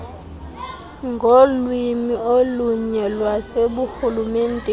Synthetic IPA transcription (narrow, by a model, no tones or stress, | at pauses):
ŋɡʱolwimioluɲɛlwaseɓuxulumeːn̩tʼɛ